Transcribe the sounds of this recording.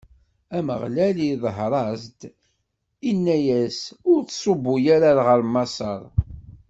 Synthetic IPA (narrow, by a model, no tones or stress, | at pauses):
æmə̰ʁlæliðˤɦɾˤɑzd̪ | inːæjæsʊɾθsˤobːʊjaɾaɾʁəɾmɑsˤɑ̰ɾˤ